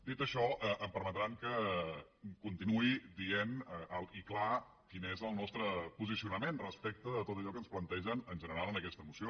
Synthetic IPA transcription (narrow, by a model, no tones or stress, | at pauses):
d̪it̪əʃɔəʔəmpəɾmət̪ɾaŋkə | kunt̪inuid̪ienəʔəlˠikla | kinezəlˠnɔst̪ɾəpuzisiunəmenrəspɛk̚t̪əðət̪ot̪əʎɔkənsplənt̪ɛʒənənʒənəɾalˠənəkɛst̪əmusio